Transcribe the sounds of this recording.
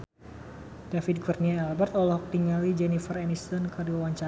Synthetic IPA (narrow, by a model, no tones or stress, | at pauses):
d̥afid̪̚ɡurniaɛlbɛrt̪ɔlɔhɔk̚t̪iŋalid͡ʒɛnifərɛnist̪ɔnkɨdiwawaɲt͡ʃa